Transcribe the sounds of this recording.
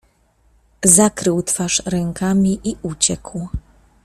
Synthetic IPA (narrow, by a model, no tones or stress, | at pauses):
zakɾɘwt̪faʂɾɛŋkamʲiʔiʔut͡ɕɛkw